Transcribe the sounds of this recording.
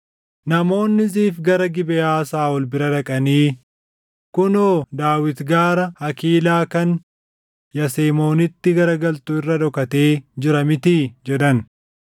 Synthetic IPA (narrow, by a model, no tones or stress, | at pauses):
nɐmo̞ːnːɪziːfɡɐɾɐɡɪbɛjaːsaːɔlbɪɾɐᶑɐkʼɐniː | kʊnoːd̪aːwɪt̪ɡaːɾɐhɐkiːlaːkɐn | jɐseːmo̞ːnɪt̪ːɪɡɐɾɐɡɐlt̪ʊɪrːɐᶑ̪ɔkɐt̪eːd͡ʒɪɾɐmɪt̪iːd͡ʒɛᶑ̪ɐn